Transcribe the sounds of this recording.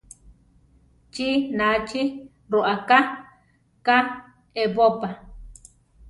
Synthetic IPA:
t͡ʃinat͡ʃi | ɾoʔaka | ka | ebopa

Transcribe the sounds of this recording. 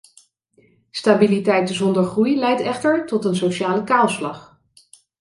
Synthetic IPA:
staːbilitɛjtzɔndəɹχrujlɛjtɛχtəɹtɔtənsowʃaːləkaːlˠslɑχ

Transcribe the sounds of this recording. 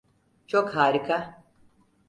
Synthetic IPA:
t͡ʃokɦaːɾikʰa

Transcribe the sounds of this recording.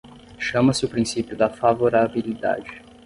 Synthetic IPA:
ʃɐ̃mɐsɪʊpɾĩsipjʊd̪ɐfavoɾabilid̪a̰d͡ʒɪ

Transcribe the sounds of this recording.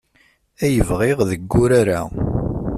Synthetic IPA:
æjəvʁeʁðəɡːʊɾaɾa

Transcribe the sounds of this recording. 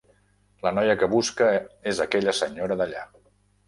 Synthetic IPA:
lənɔjəkəβuskəezəkɛʎəsəɲoɾəðəʎa

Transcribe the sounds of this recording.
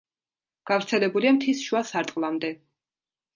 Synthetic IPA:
ɡ̥avɾt̪sʰɛlɛbuliamt̪ʰisʃuasaɾt̪ʼqʼlˠamd̪ɛ

